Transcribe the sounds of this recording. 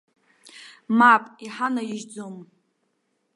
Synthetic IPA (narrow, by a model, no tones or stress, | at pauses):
mapʼiħanajɪʒd͡zom